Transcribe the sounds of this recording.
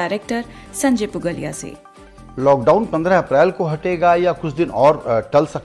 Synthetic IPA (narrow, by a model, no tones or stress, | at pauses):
aɪɾek̚ʈəɾ | sɐ̃ɲd͡ʒepʊɡəlḭja̰sḛː | lɔːk̚ɖaːʊnpɐ̃nd̪ɾəɐpɾɛːlkoɦɐʈeːɡajakʊt͡ʃʰd̪ɪnɔːɾʈɐlsɐk̚